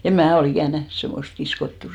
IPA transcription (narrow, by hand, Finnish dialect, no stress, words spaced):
em mæː ol ikæˑn næhn semːost kiskotːuˑ